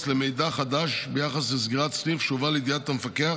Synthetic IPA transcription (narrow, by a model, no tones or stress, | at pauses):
slemejd̪aχad̪aʃbejaχaslesz̬ɡiʁatsnifʃuvalejd̪ijatamefakea